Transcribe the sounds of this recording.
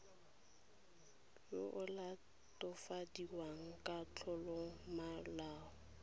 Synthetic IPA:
jʊʔʊla | tʼʊfadiwaŋ̩kʼat͡ɬʰɔlɔmalaːɔ

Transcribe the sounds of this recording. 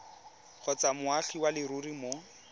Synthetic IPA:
χɔt͡samʊaɬiwalɪɾurimo

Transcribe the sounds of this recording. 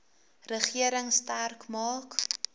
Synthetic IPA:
rəχiəɾəŋstærkmɑːk

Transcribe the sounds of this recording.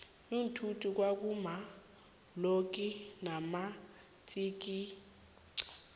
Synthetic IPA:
um̩tʰutʰʼuk̬wak̬ʼuma | lok̬ʼinama | t͡sʼiːk̬i

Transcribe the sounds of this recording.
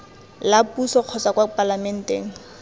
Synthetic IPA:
lapusɔq͡χʰɔt͡sakwapʼalamɛn̩teːŋ̩

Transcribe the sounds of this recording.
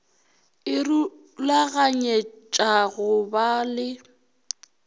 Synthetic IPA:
ɪru | laɣaɲet͡ʃʼaɣʊbalɪ

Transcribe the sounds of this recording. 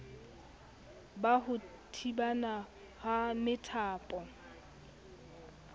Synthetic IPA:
bahʊ | tʰibana | hamɪtʰaːpʼɔ

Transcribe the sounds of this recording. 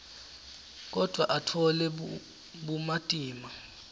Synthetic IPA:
k̬ɔd̥ʱwaʔatʰɔlɛ | ɓumatʼiːma

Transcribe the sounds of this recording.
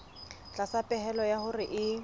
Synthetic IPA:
t͡ɬʼasapʼɛɦɛlɔjahʊrɪʔɪ

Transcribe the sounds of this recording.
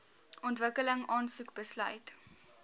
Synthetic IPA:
ɔntvəkələŋɑːnsukbəslœ̰jt

